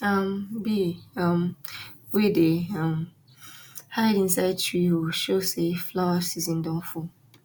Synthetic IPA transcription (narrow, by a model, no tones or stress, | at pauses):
ambiamwedeam | haɾɛdĩnsaɪd̚tʰɹiwuʃoseflawasizĩndɔ̃ŋfu